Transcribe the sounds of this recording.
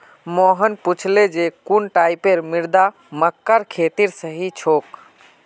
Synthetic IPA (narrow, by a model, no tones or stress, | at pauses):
moɦənput͡ʃʰled͡ʒekunʈaipeɾmiɾd̪a | məkːəɾkʰet̪iɾsəɦit͡ʃʰok